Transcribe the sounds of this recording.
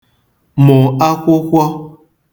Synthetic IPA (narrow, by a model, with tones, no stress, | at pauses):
mɔ˨a˦kʷo˦kʷɔ˦